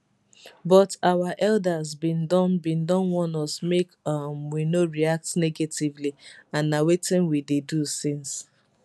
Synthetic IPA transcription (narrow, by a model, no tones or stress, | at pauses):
bɔtawaʔɛldazbĩndɔ̃nbĩndɔ̃nwɔ̃nɔsmekʌmwinoɹiak̚tneɡetivliãnːawetɪ̃nwidedusɪ̃ns